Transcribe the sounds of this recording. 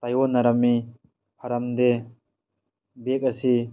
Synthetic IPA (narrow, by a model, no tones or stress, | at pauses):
t̪ajɔnaɾɐmːi | pʰɐɾamd̪e | bek̚ɐsi